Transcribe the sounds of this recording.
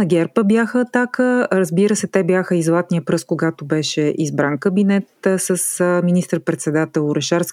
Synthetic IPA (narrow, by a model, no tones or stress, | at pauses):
ɐɡʲɛɾpəbjaxəːt̪akəɾəzbiɾəsɛt̪ɛbjaxəizlˠat̪nijəpɾɤskoɡat̪obɛʃɛʔizbɾankəbinɛt̪səsminist̪əɾpɾɛt̪sɛd̪at̪ɛlˠʊɾɛʃaɾsk